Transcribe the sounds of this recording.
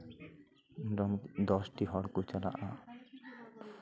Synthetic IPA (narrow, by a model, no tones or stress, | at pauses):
ɖɔmd̪ɔsʈiɦɔɽkut͡ɕala̰ʔa